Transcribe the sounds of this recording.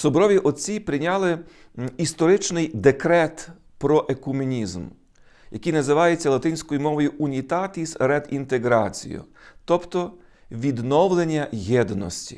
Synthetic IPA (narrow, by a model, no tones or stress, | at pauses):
sɔbɾɔʋʲiʔɔt͡sʲipɾɪnʲɑlˠɪ | ist̪ɔɾɪt͡ʃnɪjd̪ekɾɛt̪ | pɾɔʔekumʲinʲizm | jʔɐkijnɐzɪʋɑjet͡sʲːɐlˠɐt̪ɪnʲsʲkɔjimɔʋɔjʊʔunʲit̪ɑt̪ʲisɾɛd̪int̪eɡɾɑt͡sʲḭjʊ̰ | t̪ɔpt̪ɔ | ʋʲid̪nɔwlˠenʲːɐjɛd̪nɔ̰sʲtʲi̥̰